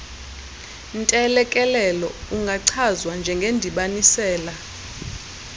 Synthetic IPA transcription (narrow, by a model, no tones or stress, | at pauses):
ntʼɛlɛkʼɛlɛlɔuŋɡʱaǀʰazwand͡ʒʱɛŋɡʱendʱiɓanisɛːla